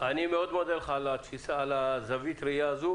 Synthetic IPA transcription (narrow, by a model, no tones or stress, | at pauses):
ʔanimeod̪mod̪elχalat̪fisaːlazavit̪ɾijaːzu